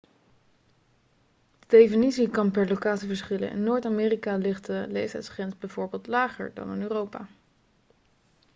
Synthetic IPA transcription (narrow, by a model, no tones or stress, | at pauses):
dədejfənisikɑnpɛɹlowkaːtsivəɹsχɪlə̰nʔɪ̰nːoːɹtamɪːrikalɪχtəlejftɛ̰jtsχrɛnzbɛjvʊːɹbɪːlˠtlaːχə̰ɹdɑ̰nənøːrowpa̰